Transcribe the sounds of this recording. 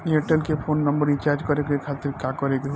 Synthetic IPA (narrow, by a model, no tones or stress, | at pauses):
eʈelkepʰoːnːəmbəɾɪ̃nt͡ʃaːɾd͡ʒkɔɾeɡekʰat̪ɪɾkakɔɾeɡe